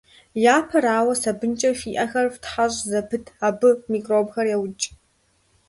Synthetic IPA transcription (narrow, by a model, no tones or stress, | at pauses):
jaːpʰɐɾaːwɐsɐbɨnt͡ʃʼɐfiːʔɐxɐrftħaɕʼzɐpʰɨtʰaːbɨmiːkʼroːbxɐrjɛwt͡ʃʼ